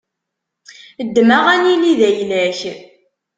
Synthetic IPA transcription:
d̪ːmaʁæniliðæjlæç

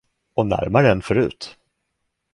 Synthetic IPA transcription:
ɔnæ̰ɾmaɾəɛnfœɾʉ̟̰ːt̪

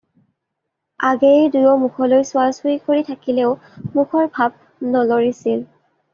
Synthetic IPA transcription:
aɡedujɔmukʰɔlojsʊalsujkoɹitʰakileʊmukʰɔɹbʱab̚ | nɔloɹisil

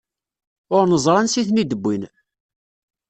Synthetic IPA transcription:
ʊɾnəzˤɾˤɑnsiθnid̪əbːin

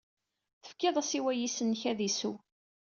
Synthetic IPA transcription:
θə̥fkːɪðˤæsiwæjisənːçæðisu

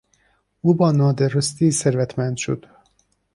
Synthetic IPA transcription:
uːbɒːnɒːd̪eɾost̪iːseɾvæt̪ʰmænd̪ʃod̪̥

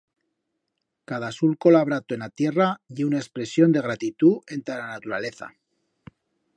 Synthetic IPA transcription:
kaðasulko̞laβ̞ɾat̪oenat̪je̞raʝeunaespɾe̞sjo̞nd̪e̞ɣ̞ɾat̪it̪ue̞nt̪elanat̪uɾale̞θa̰

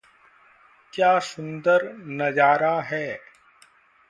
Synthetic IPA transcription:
kjaːsʊ̃nd̪əɾnɐd͡ʒaːɾaɦɛː

